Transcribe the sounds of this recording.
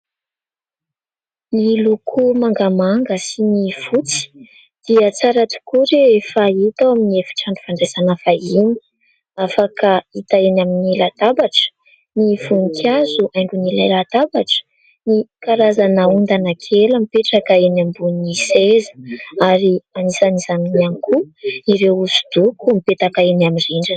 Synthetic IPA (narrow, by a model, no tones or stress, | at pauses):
nilukʰumaŋɡamaŋɡəsinifut͡si̥ | d̪̥iət͡saɾat̪u̥kuɾeefait̪awaminiefi̥ʈ͡ʂaɳɖ͡ʐu̥faɳɖ͡ʐesanəfaini̥ | afakait̪aenaminilat̪abaʈ͡ʂə̥ | nifuŋikʰazuʔajɳɖ͡ʐunilalat̪abaʈ͡ʂə̥ | nikaɾazanaund̪anakʰeləmipeʈ͡ʂakaenambunisezə̥aɾianisanizaminianikʰuiɾewusu̥d̪̥ukumipet̪akaenamiriɳɖ͡ʐan